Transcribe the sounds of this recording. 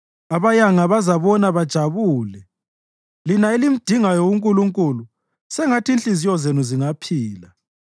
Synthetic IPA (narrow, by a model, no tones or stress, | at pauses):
aβajaŋaβazaβɔnaβad̥ʒ̥ʱaβuːlɛ | linaelim̩d̥ʱiŋajowuŋkʼuluŋkʼulu | sɛŋatʰinɬʼizijɔzenuziŋapʰiːla